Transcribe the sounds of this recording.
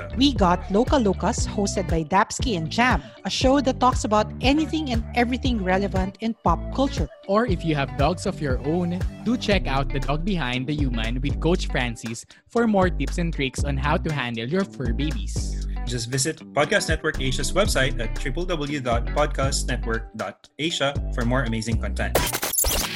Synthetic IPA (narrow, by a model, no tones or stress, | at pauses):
wiɡɑt̪loʊkɐlokɐshoʊst̪ɛd̪̚bajd̪æpskiɛ̃nd͡ʒæ̃mɐʃoʊd̪ɐt̪ːɔksɐbaʊt̪ʔɛniθɪ̃ŋɛ̃nd̪ɛvɹiθɪ̃ŋɹɛlɛvɐ̃nt̪ɪ̃npɑp̚kʰʊlt͡ʃʊɹʔɔɹɪfjuhævd̪ɔɡsɔfjɔɹʔõʊ̃nd̪ut͡ʃɛkawt̪̚d̪ɐd̪ɔɡ̚bɪɦãj̃nd̪̚ɐjuːmãnwɪd̪̚koʊt͡ʃfɹæ̃nsis | fɔɹmɔɹt̪ɪpsɛ̃nt̪ɹɪksɔ̃nɦawt̪uɦæ̃nd̪əlˠjɔɹfəɹbeɪbḭsd͡ʒʌstvɪsɪt̪pɔd̪̚kastnɛt̪̚wəɹkeɪʃɐswɛbsaɪt̪ætʰːɹɪpəlˠd̪ʌbəl̩ˠjudɔt̪̚pɔd̪̚kʰast̪nɛt̪̚wəɹk̚d̪ɔ̰t̪̚eɪʃɐfɔɹmɔɹɐmeɪzɪ̃ŋkɔ̃nt̪ɛ̰̃nt̪